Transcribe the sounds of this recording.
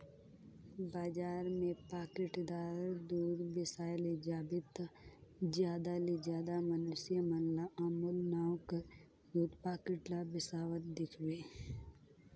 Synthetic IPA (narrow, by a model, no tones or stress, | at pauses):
baːd͡ʒaːɾmẽpaːkɪʈd̪aːɾd̪uːɾbɪsaːled͡ʒaːbɪt̪ | d͡ʒjaːd̪alid͡ʒjaːd̪amənʊsijəmənlaaːmulnaːwk | juːd̪paːkɪʈlabɪsaːwət̪̚d̪ɪkʰbeː